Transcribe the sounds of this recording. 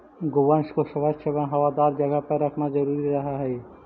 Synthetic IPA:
ɡobanʃkoʃəbʱad͡ʒ̪ʃebaɦɐwad̪aɾd͡ʒəɡapəɾəkʰnad͡ʒəɾuɾiɾɐɦaɦɛː

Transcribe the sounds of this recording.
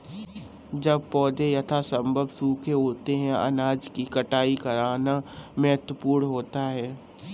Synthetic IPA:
d͡ʒɐb̚pɔːd̪ejɐt̪ʰasɐ̃mbʱəbsuːkʰeɦoːt̪eɦɛ̃ʔɐ̰naːd͡ʒkikɐʈaːikɐɾaːnamɛɦət̪wəpuːɾɦoːt̪aɦɛː

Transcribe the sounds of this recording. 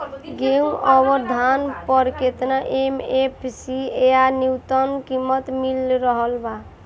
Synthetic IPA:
ɡeũɔbəɾd̪ʱanpɔɾket̪naʔemepʰsieaniwt̪ənkimːət̪milɾəɦəlba

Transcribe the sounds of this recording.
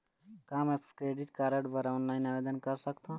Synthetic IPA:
kaːmɛkɾeːɖɪʈkaːɾəʈbəɾaːnlaːɪnaʋeːd̪ənkɐɾsəkt̪ʰã

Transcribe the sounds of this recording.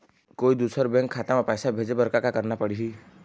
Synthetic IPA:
koid̪usɔɾbeŋkʰːat̪amapajsabʱed͡ʒebɔɾkakakəɾnapəɽiɦi

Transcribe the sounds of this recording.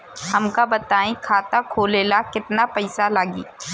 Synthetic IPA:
ɦɐmkabɐt̪aːĩkʰaːt̪akʰoːleːlakɪt̪napɐɪsalaːɡḭː

